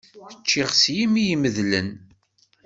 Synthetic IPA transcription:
θət͡ʃːɪʁsjimijməðlən

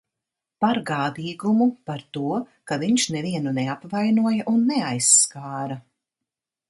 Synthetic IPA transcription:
paɾɡaːd̪iːɡumupaɾt̪uɔkaviɲʃnɛviɛnuneapvajnuɔjɐʔunːeajsːkaːɾa

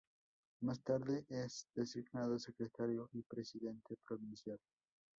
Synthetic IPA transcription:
mast̪aɾðeʔesd̪esiɣnaðosekɾet̪aɾjoʔipɾesiðent̪epɾoβinsjal

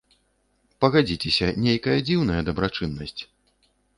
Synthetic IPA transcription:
pɐɣad͡zʲit͡sʲɛsʲɐnʲejkɐjɐd͡zʲiwn̪ɐjɐd̪ɐbɾat͡ʂɨnːɐsʲt͡sʲ

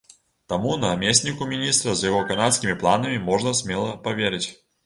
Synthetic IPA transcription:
t̪amunɐːmʲesʲnʲikʊmʲinʲist̪ɾɐzjɐɣɔkanat̪skʲimʲiplˠanɐmʲimɔʐnɐsʲmʲɛlˠɐpavʲeɾʲɪt͡sʲ

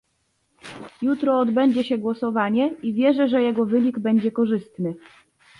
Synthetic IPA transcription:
jut̪ɾɔːd̪bɛɲd͡ʑɛɕɛɡwɔsɔvaɲɛivʲjɛʐɛʐɛjɛɡɔvɘɲiɡbɛɲd͡ʑɛkɔʐɘst̪nɘ

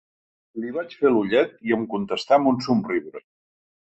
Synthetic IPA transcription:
liβat͡ʃfeluʎɛt̪iəmkunt̪əst̪ambunsumriβɾə

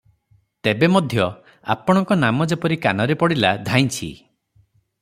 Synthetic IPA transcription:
t̪ebemɔd̪ʱjɔ | a̰pɔɽ̃ɔŋkɔnamɔd͡ʒepɔɾikanɔɾepɔɽilad̪ʱaj̃t͡ʃʰḭ

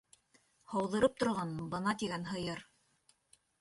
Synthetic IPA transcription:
hɑwðɤ̆ɾɤp̚t̪ŏɾʁɑnbɤnɑt̪iɡænɦɤ̆jɤɾ

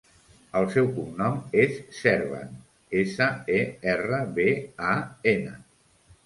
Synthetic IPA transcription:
əlˠsɛwkumnɔmesːɛɾβa̰n | esəeɛrəβeaenə

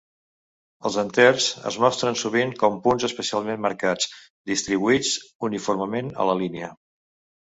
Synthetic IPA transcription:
əlˠzənt̪ɛrz̥ə̰zmɔst̪ɾənsuβiŋkɔmpunzəspəsialˠmemːəɾkad͡z | d̪ist̪ɾiβ̞uid͡zunifurməmenə̰ləliniə

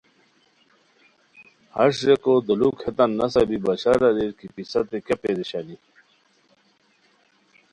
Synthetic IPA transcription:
hɐɕɾekod̪ulukʰet̪ɐnːɐsɐbibɐɕaɾɐɾeɾkipisɐt̪ekepeɾiɕani

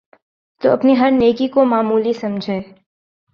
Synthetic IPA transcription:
t̪oɐpniɦɐɾneːkikomaːmuːlisɐmd͡ʒʱeː

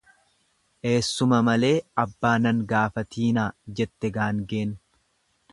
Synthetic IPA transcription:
ʔe̞ːsːʊmɐmɐle̞ːɐbːaːnɐŋɡaːfɐt̪iːnaːd͡ʒɛt̪ːɛɡaːŋɡeːn

